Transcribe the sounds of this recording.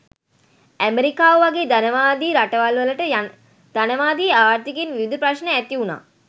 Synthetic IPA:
æmeɾikaːʋəʋaɡeːd̪anəʋaːd̪iːɾaʈəʋalʋələʈə | d̪̥anəʋaːd̪iːaːɾt̪ikenʋiʋid̪ʱəpɾaʃnəæt̪iuna̰ː

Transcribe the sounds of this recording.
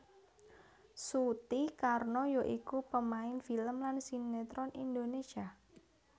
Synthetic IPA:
sut̪ikarnojoʔikupəmaɪnfiləmlansinet̪ɾɔnind̪onesia

